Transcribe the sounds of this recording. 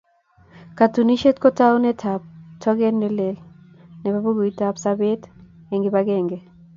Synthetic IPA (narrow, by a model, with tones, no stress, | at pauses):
ka˨tu˨ni˦ʃe˦tko˦ta˦o˦nɛ˦tʰa˨p̚tɔ˦ɡɛ˦nːɛ˦le˨l | nɛ˨ba˦bo˦ɡo˨i˦ta˨psa˦be˦t | e˨ŋɡɪ˨ba˦ɡɛ˦˨ŋɡe˨